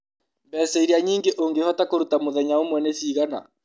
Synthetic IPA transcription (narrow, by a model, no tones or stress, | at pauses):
mbɛsɛiɾiaɲiːŋɡeʔoŋɡehɔtakoɾutamoðɛɲaomwɛneθiːɣana̰